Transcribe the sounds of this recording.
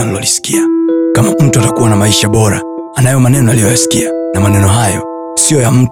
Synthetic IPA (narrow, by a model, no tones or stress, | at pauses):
anlɔlisi̥kiakamam̩tuatakuwanamaiʃaɓɔɾa̰ː | najɔmanɛnɔalijɔjasi̥kianamanɛnɔɦajɔ̰ | siɔjam̩